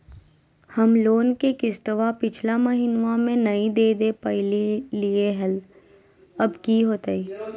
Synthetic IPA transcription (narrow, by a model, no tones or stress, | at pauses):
hɐmloːnkekɪst̪əʋapɪt͡ʃʰlaməɦinʋamẽnɐĩd̪eːd̪epɐlelieɦɛl | ɐbkiɦoːt̪aiː